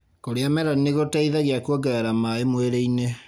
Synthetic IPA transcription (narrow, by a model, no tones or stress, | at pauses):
koɾeamɛɾɔneɣotaiðaɣeakwɔɡɛɛɾamaemweɾeine